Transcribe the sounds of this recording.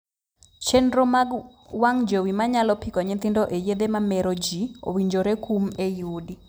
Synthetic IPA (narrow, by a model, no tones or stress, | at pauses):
t͡ʃɛndɾoma | waŋd͡ʒowimaɲalɔpikɔɲit̪indɔʔejed̪emamɛɾɔd͡ʒio̰wiɲd͡ʒoɾekumejudi